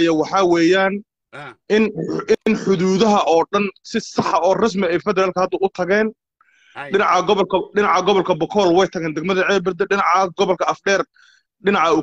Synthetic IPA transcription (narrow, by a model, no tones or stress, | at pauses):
jɐwɑħɑwɛːjaːn | ɪnɪnħʊðuːðɐɦɐʔɔːɖɐnsɪsɑħɐɔːrɪs̬mɪɛjfɛðɛɾaːlkʰɐhɐd̪ɐʊt̪ʰɐɣɛːn | ɖɪnɑʕɑɡɔβɐlkʰɐɖɪnɑʕɑɡɔβɐlkʰɐbɔkʰɔːlwɛjt̪ʰɐɣɛːnd̪ɛɡ̚mɐðɐʕɛːbɐrd̪ɛɖɪnɑʕɐɡɔβɐlkʰɐɐfɖɛːr | ɖɪnɑʕɐʊ